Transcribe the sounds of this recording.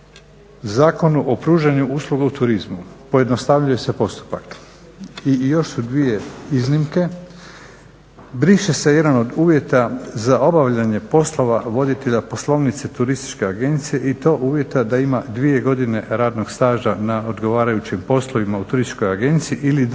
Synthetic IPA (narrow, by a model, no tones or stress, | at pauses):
zaːko̞nuʔo̞pɾuːʒaɲuuslˠuɡaut̪uɾizmupo̞je̞d̪nost̪aʋʎuje̞se̞po̞st̪u̥pak | ijo̞ʃsud̪ʋije̞iznimke̞ | bɾiʃese̞je̞d̪ano̞d̪uːʋje̞t̪azao̞baʋʎaɲepo̞slˠo̞ʋaʋo̞d̪it̪e̞ʎapo̞slˠo̞ʋnit̪set̪uɾist̪i̥t͡ʃke̞aɡe̞nt̪sije̞ʔit̪o̞ːʔuːʋje̞t̪ad̪aimad̪ʋije̞ɡo̞d̪ine̞ɾaːd̪no̞ɡ̥st̪aːʒanao̞d̪ɡo̞ʋaːɾajut͡ɕimpo̞slˠo̞ʋimaut̪uɾist̪t͡ʃko̞jaɡe̞nt̪siiʔili